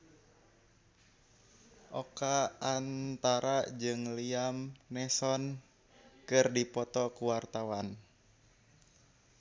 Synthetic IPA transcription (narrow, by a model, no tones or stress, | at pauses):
ʔɔkaant̪aɾad͡ʒɨŋliamnɛsɔn | kɨrdipɔt̪ɔkuwart̪awan